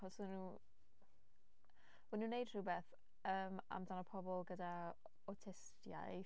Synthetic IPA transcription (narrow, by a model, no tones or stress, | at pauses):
χɔswinu | wənuːnejd̥r̥ɨwbeːθ | əːma̰mdanəpʰɔbɔlˠɡəda | ɔtʰɪstja̰j